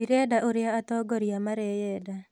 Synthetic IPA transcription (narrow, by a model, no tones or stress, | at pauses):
iɾɛdaʔoɾjaːt̪ɔɡɔɾjamaɾɛjɛda